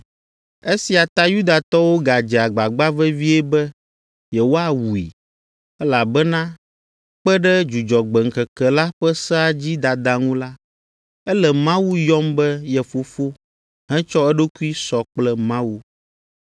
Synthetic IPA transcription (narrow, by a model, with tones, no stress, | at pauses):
e˦si˨a˨t̪a˦ju˦d̪a˨t̪ɔ˦wo˦ɡa˨d͡ʒɛ˨a˨ɡ͡ba˨ɡ͡ba˦vɛ˦vi˦ɛ˦bɛ˦ | jɛ˨wo˦a˨wu˨ḭ˨ | ɛ˦la˨bɛ˦nã˦ | k͡pɛ˦ɖɛ˦d͡ʒu˨d͡ʒɔ˨ɡ͡bɛ˨ŋ̩˨kɛ˨kɛ˨la˦ɸɛ˦sɛ˦a˦d͡ʑi˦d̪a˨d̪a˨ŋũ˦la˦ | ɛ˦lɛ˨mã˦wu˦jɔ˦mbɛ˦jɛ˨fo˨fo˦ | ɦɛ̃˦t͡ʃɔ˦ɛ˦ɖo˦ku˦i˦sɔ˨k͡plɛ˦mã˦wu˦